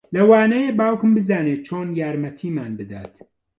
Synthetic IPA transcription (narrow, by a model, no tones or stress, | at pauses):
lɐwaːnɐjeːbaːwkɨmbɨzaːnet͡ʃʰoːnjaːɾmɐt̪ʰiːmaːnbɨd̪a̰ːt̪